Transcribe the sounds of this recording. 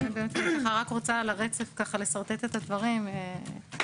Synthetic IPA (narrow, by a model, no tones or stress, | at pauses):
nibemet̪kaχaʁakʁot͡salaʁet͡sefkaχale̞saʁt̪et̪et̪ad̪vaʁime